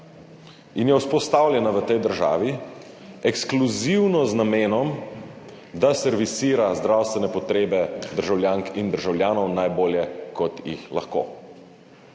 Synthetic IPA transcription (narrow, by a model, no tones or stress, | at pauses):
injɛwspɔst̪awlʲjɛnaʋət̪ɛjd̪əɾʒa̰ːʋi | ɛkskluziwnɔznameːnɔm | d̪asɛɾʋisiːɾazd̪ɾawst̪ʋɛnɛpɔt̪ɾeːbɛd̪əɾʒawlʲjaːŋkind̪əɾʒawljaːnɔwnajboːljɛkɔt̪jḭxla̰xko̰ː